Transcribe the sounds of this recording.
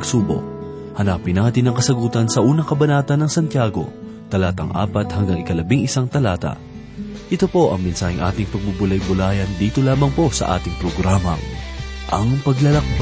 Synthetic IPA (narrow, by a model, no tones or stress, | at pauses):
suːbo̞̰ʔ̚ | hɐnaːpɪnaːt̪ɪnɐŋkɐsɐɡuːt̪ɐnsɐʔuːnɐkɐbɐnaːt̪ɐnːɐŋsɐnt̪jaːɡo̞̰ | t̪ɐlaːt̪ɐŋʔa̰ːpɐt̪hɐŋɡaŋɪkɐlɐbiŋɪsaŋt̪ɐlaːt̪ɐ̰ | ʔɪt̪o̞po̞ʔɐ̰ŋmɪnsaːhɪŋʔa̰ːt̪ɪŋpɐɡ̚bubʊlɐjbʊlaːjɐnd̪iːt̪o̞laːmɐŋpo̞sɐ̰ʔa̰ːt̪ɪŋpɾoɡɾaːmɐ̰ | ʔɐŋpɐɡlɐlɐk̚b